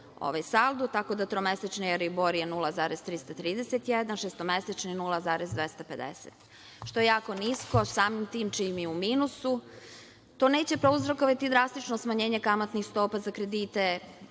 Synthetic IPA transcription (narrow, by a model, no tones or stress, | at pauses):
o̰ʋajsald̪ut̪ako̞d̪at̪ɾomeset͡ʃnijeɾiboɾijenulˠazaːɾez̥t̪ɾist̪at̪ɾiːd̪eset̪jed̪anʃest̪omeset͡ʃninulˠazaːɾezd̪ʋest̪ape̞d̪ḛset̪ | ʃt̪o̞jejaːko̞nisko̞saːmimt̪iːmt͡ʃimiumiːnusu | t̪oːne̞ːt͡ɕe̞pɾouzɾokoʋat̪id̪ɾast̪it͡ʃnosmaɲe̞ːɲekamat̪nixst̪o̞ːpazakɾed̪iːt̪e